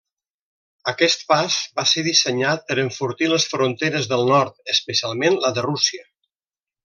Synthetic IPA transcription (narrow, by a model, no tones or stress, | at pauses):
əkɛst̪̚pazbaseɾðisəɲat̪̚pəɾəɱfuɾt̪iləsfɾunt̪eɾəzðəlˠnɔɾt̪̚əspəsialˠmenləðərusiə